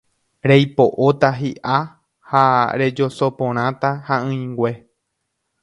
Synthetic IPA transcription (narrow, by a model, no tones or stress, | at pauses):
ɾejpo̞ʔot̪aɦiʔa | haɾe̞d͡ʒo̞so̞põɾ̃ãt̪ahaɨ̃j̃ŋɡwe̞